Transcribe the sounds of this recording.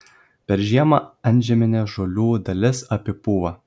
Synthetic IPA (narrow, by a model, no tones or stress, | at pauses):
pʲɛɾʒʲiɛmɐɐnʲˑʒʲɛmʲɪnʲɛːʒoːlʲuːd̪ɐlʲɪsɐpʲɪpuːʋɐ